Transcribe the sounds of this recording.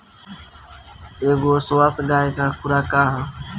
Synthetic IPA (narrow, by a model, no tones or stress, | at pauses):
eːɡoːsoaːst̪ɡaːeːkʰãːkʊɾaːkaːɦãː